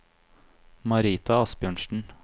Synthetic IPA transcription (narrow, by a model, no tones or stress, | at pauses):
mɑɾiːt̪ʰɑɑsbjøːɳʃn̩